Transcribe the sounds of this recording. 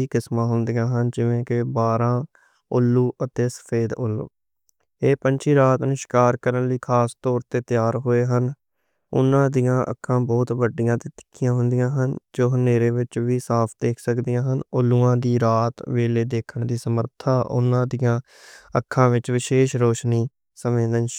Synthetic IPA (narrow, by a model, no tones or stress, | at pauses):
iːkɪsmãːɦʊnd̪ijãːɦənd͡ʒɪʋẽːkɪbaːɾãː | ʊlːuːʔət̪eːsə̥pʰeːd̪ʊlːṵː | eːpənt͡ʃʰiːɾaːt̪nʊːʃɪ̥kaːɾkəɾənləiːkʰaːst̪ɔːɾt̪eːt̪ɪjaːɾɦoːeːɦən | ʊ̰nːãːd̪ijãːʔə̰kʰːãːbɔːt̪ʋəɖijãːt̪eːt̪ɪ̥kʰːɪjãːɦʊ̃nd̪ɪjãːɦənd͡ʒoːɦəneːɾeːʋɪt͡ʃʋiːsaːpʰd̪eːkʰsəkd̪ijãːɦənʊlːuːãːd̪iːɾaːt̪ʋeːleːd̪eːkʰəɳd̪iːsəməɾt̪ʰaːʔʊ̰nãːd̪ɪjãː | əkʰːãːʋɪt͡ʃʋɪʃeːʃɾoːʃniː | səmẽːd̪ən